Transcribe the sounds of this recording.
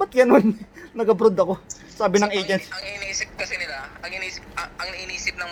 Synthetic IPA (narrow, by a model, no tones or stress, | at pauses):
bɐt̪̚jɐnonnɐɡɐbɾod̪ɐko̞ | saːbɪnɐŋʔejd͡ʒɛnsɐŋɪniːsɪp̚kɐsɛnɪlaɐŋɪniːsɪpɐɐŋnɐʔiːniːsɪp̚nɐŋ